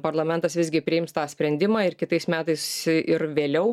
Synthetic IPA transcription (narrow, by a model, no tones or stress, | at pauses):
pɐrlˠɐmʲɛnt̪ɐsʋʲɪzʲɡʲɪpʲɾʲɪɪmst̪ɑːsʲpʲɾʲɛnʲd̪ʲɪmɑːɪrkʲɪt̪ɐɪsmʲæːt̪ɐɪsɪɾʋʲeːlʲɛʊ